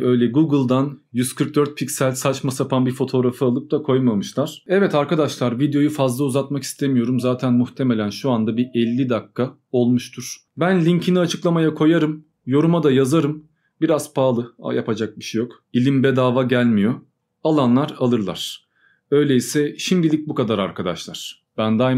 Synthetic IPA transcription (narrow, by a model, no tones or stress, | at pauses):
ø̞jlʲɛɡuɡɯlˠd̪anjyz̥kʰɯɾk̚d̪øɾt̪̚pʰicsælʲsat͡ʃmasapʰanbifo̞t̪ʰo̞ɾafɯalˠɯp̚d̪akʰo̞jmamɯʃlˠaɾ̥ɛvɛt̪aɾkad̪aʃlˠaɾvid̪eo̞jufazlˠauzat̪maki̥st̪ʰe̞mijo̞ɾumzaːt̪ʰænmuxt̪ʰe̞me̞lʲænʃuand̪abiɛlʲːid̪akʰːa | o̞lˠmuʃt̪ʰuɾ̥ | bænlʲiɲcʰiniat͡ʃʰɯklˠamajakʰo̞jaɾɯm | jo̞ɾumad̪ajazaɾɯm | biɾaz̥pʰaːlˠɯa̰japʰad͡ʒak̚biʃejo̞k | ilʲimbɛd̪aːvaɟælʲmijo̞ | alˠanlˠaɾalˠɯɾlˠa̰ɾ̥ | ø̞jlʲejisɛʃimd̪ilʲic̚bukad̪aɾaɾkʰad̪a̰ʃlˠaɾ̥ | b̥ænd̪a